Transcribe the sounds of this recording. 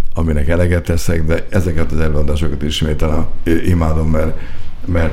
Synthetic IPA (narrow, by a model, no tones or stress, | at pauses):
ɒminɛkɛlɛɡɛt̪ːɛsɛɡd̪ɛɛzɛkɛt̪ɒzɛløːɒd̪aːʃokɒt̪iʃmeːt̪ɛlɛʔimaːd̪o̞mːɛrmɛr